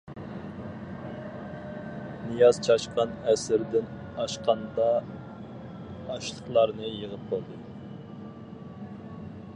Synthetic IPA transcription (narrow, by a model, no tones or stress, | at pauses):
nɨjɑz̥t͡ʃʰɑʃqɑnɛsɪɾd̪ɪn | ɑʃqʰɑnd̪ɑ | ʃlˠəχlˠɑɾnɨjəʁəp̚qʰolˠd̪ɨ